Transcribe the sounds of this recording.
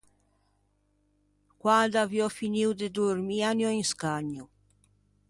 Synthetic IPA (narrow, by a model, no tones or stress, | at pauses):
kwad̪avjɔfiniwd̪ed̪uɾmianjɔiŋskaɲːu